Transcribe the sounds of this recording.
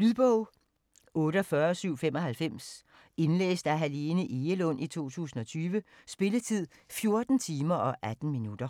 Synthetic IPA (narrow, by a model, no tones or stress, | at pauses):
lyðˠb̥ɔʊ̰ | ɔ̽ːɾəɒfɶɐsyʊ̰femɒ̽hælfem̰s | e̝nlḛːsd̥æɦæle̝ːnəʔe̝əlɔ̽n̰ʔit͡sʰo̝̰ːt͡sʰṵːsn̩ɒ̽t͡sʰyːʋə | sb̥e̝lət͡sʰið̞̰ˠ | fjo̝ɐd̥n̩t͡sʰiːmɐʔɒ̽ʔæd̥n̩minud̥ɐ